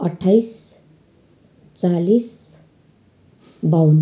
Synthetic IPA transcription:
ʌʈʰːajs | t͡salis | bʱawn

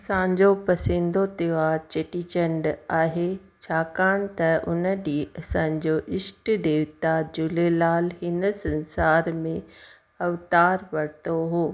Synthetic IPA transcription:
ɐsãːɲd͡ʑopɐsɪ̃nd̪ot̪ɪʋaːɾt͡ɕeʈit͡ɕə̃ɳɖaːɦe | t͡ɕʰaːkaːɽ̃t̪ɐʊ̰nəɗiːɐsãːɲd͡ʑoʔɪsʈd̪eːʋt̪ad͡ʑʊlelaːlɦɪnəsɐ̃nsaːɾmẽ | ɐʋt̪aːɾʋɐɽt̪oɦoː

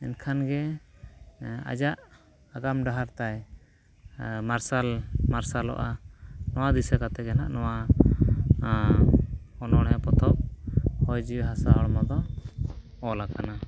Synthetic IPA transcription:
ɛnkʰanɡɛ | a̰d͡ʒaʔ | aɡamɖaɦaɾt̪aj | maɾsalmaɾsalɔ̰ʔanɔwad̪isɛkat̪ɛɡɛnaʔnɔwa | ɔnɔɽ̃ɛpɔt̪ʰɔʔ̚hɔjd͡ʒiwɦasaɔɽmɔd̪ɔ | ɔlakana

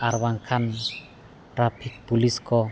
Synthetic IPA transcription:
arwaŋkʰan | rapʰik̚b̥uliskɔ

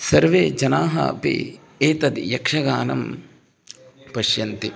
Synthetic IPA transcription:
sɐɾʋeːd͡ʒɐnaːɦɐ̰pḛː | eːt̪ɐd̪jɐkʂɐɡaːnɐ̰m | pɐʃjɐnt̪i

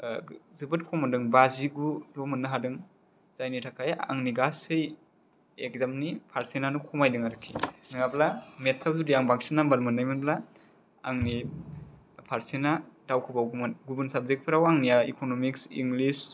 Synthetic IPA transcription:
zɯbɯt̚kʰɔmandɯŋbaziɡulɔmɯnːɯɦadɯŋ | zajnitʰakʰaja̰ŋniɡasɯj | ek̚zamnipʰaɾsenanukʰɔmajdɯŋaɾɯkʰːinɯŋablametsawzudijaŋbaŋsinːaŋbaɾmɯnːajmɯnbla | aŋni | pʰaɾsenad̥awkʰɯbawɡumɯnɡubunsab̚zek̚pʰɯɾawaŋnijaḭkʰonomiksḭŋɡlis

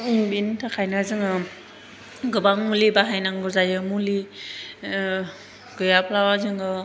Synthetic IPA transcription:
iŋbintʰakʰajnazɯŋɯ | ɡɯbaŋmulibaɦajnaŋɡɯzajɯmuli | ɡ̥ɯjapʰlawazɯŋɯ

